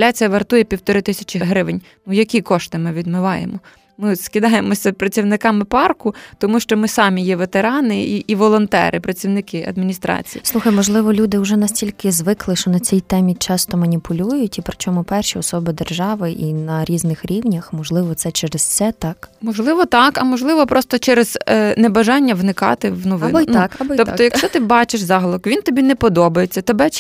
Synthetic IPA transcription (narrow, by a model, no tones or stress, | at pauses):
lʲat͡sʲijɐʋert̪ujɛpʲiwt̪ɔɾɪt̪ɪsʲɐ̥t͡ʃʲɪɦɾɪʋenʲ | nujɐkʲikɔʃt̪ɪmɪʋʲid̪mɪʋɑjḛmɔ | mɪskʲɪd̪ɑjemɔsʲɐpɾɐt͡sʲiwnɪkɑmɪpɑrkʊt̪ɔmuʃt͡ʃɔmɪsɑmʲijɛʋet̪eɾɑnɪiːʋɔlˠɔnt̪ɛ̰ɾʔɪpɾɐt͡sʲiwnɪkɪʔɐ̰d̪̚mʲinʲist̪ɾɑ̰t͡sʲḭjḭslˠuxɐjmɔʒlˠɪʋɔlʲud̪ɪʊʒɛnɐsʲtʲilʲkɪzʋɪklˠɪʃt͡ʃɔnɐt͡sʲijt̪ɛmʲit͡ʃɑst̪ɔmɐnʲipʰʊlʲujʊtʲipɾʲɪt͡ʃʲɔmʊpɛrʃiɔsɔbɪd̪erʒɑʋɪʔinɐɾʲiznɪxɾʲiwnʲɐxmɔʒlˠɪʋɔt̪sɛt͡ʃɛɾɪst̪sɛt̪ɑkmɔʒlˠɪʋɔt̪ɑkɐmɔʒlˠɪʋɔpɾɔst̪ɔt͡ʃɛɾeznɛbɐʒɑnʲːɐʋnɪkɑ̰t̪ɪwnɔʋɪ̰nbɔkɐbɔɔp̪ɔjɐkʃt͡ʃɔt̪ɪbɑt͡ʃɪʃzɑɦlˠɔkʋʲint̪ɔbʲinɛpɔd̪ɔbɐjet͡sʲːɐt̪ebɛ